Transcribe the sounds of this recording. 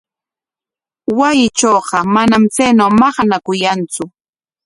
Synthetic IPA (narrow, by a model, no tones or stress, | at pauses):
wajɪt͡ʃoːqɑmanamt͡sajnawmɑχɑnakʊjant͡sʊ